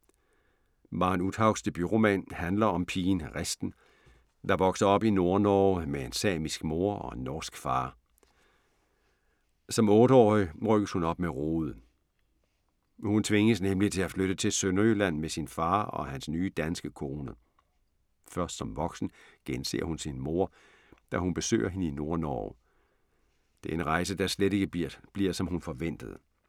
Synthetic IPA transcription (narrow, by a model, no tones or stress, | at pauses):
ʋɑ̈nud̥hɑ̈ʊ̥sd̥əb̥yʁo̝mɛ̰nhænlɐɒ̽mpʰiːnʁesd̥n̩ | d̥ɑ̈ʋɒ̽ɡ̥sɐɒ̽b̥ino̝ɐnɒːmeensɛ̰ːmisɡ̥mo̝ɐɒ̽enːɒːsɡ̥fɑ̈ː | sɒ̽mɔ̽ːɾəɒ̰ːiʁœɡ̥əshunɒ̽b̥̚meʁoːð̩ˠ | hunt͡sʰʋe̝ŋəsnemlit͡sʰe̝æfløɾ̥ət͡sʰe̝lsønɐylæn̰mesinfɑ̈ːɒ̽hænsnyːd̥ænsɡ̥əkʰo̝ːnə | fɶɐsd̥sɒ̽mʋɒ̽ɡ̥sn̩ɡ̥ense̝̰ːɐhunsinmo̝ɐ̰ | d̥æhunb̥e̝sø̰ːʔɐɦe̝nəino̝ɐnɒ̰ʊ | d̥e̝æɐe̝nʁɑ̈ɪsəd̥ɑsled̥e̝ɡ̥əb̥liɐsɒ̽mhunfɒ̽ʋen̰d̥əð̞̩ˠ